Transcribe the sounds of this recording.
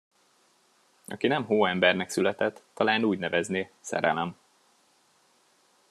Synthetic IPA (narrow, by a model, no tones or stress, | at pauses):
ʔɒ̰kinɛmɦoːɛmbɛrnɛksylɛt̪ɛt̪ːɒlaːnuːɟnɛvɛzneːsɛ̰ɾɛ̰lɛm